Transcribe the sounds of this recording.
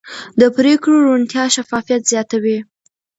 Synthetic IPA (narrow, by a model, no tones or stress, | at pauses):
d̪əpɾekɽoɾuɳt̪jɑʃafɑfijat̪z̥jɑt̪awi